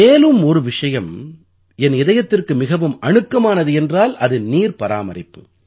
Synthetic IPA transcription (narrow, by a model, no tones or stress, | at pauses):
meːlɯmɔɾɯʋɪʂɐjɐm | ɛnɪðɐjɐt̪ːɪrkɯmɪɣɐʋɯmɐɳɯkːɐmaːnɐðɯɛndraːlʔɐðɯniːɾpɐɾa̰ːmɐɾɪpːɯ